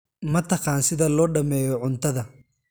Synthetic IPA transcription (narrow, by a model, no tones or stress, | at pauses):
mɐt̪ʰɐqɑːnsɪðɐlɔːɖɐmɛːjɔʕʊnt̪ʰɐðɐ